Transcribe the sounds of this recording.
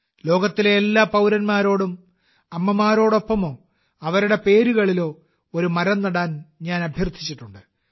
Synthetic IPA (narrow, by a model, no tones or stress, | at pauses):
lo̞ːɡɐt̪ːileːlːaːpɐwɾɐnmaːɾo̞ːɽum | ɐmːɐmaːɾo̞ːɽo̞pːɐmo̞ː | ɐʋɐɾuɽe̞pe̞ːɾuɣɐɭilo̞ː | oɾumɐɾɐnːɐɽaːnɲaːnɐbʱjɐrt̪ʰit͡ɕːiʈːuɳɖɨ